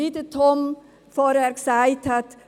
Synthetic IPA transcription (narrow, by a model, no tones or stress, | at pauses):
it̪ət̪ʰɔm | fɔɾɛɾksaɪt̪ʰat̪